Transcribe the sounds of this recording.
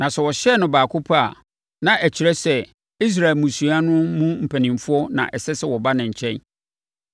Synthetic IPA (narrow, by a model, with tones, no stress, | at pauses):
nã˨sɛ˨wɔ˨ɕɛ˦˨nʊ̃˨baː˨kʰʊ˦pʰa˦a˨ | nã˨ʔæ˨t͡ɕʰi˨ɾɛ˦sɛ˨ | i˦s̬ɾa˨ɪ˨lmũ˨su˨a˦nʊ̃˦mũ˦m̩˨pʰæ˨nĩ˨m˨fʊ˦ɔ˦nã̰˨ʔɛ˨sɛ˦sɛ˦˨wɔ˨ba˦nɪ̃˨ɲ̩˨t͡ɕʰɛ̃˦n